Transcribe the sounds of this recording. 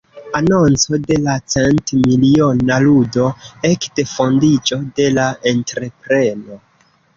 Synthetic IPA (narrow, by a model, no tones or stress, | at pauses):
ano̞nt͡so̞de̞lat͡sentmilionaludo̞e̞kde̞fo̞ndid͡ʒo̞de̞lae̞ntɾe̞pɾe̞no̞